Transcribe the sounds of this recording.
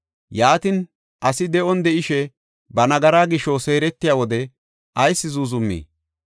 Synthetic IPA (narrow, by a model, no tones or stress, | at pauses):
jaːt̪ɪn | ʔɐsɪd̪ɛʔɔnd̪ɛʔɪʃɛ | bɐnɐɡɐɾaːɡɪʃose̞ːɾɛt̪ːɪjaːwɔd̪ɛ | ʔɐjsːɪzuːzʊmːḭː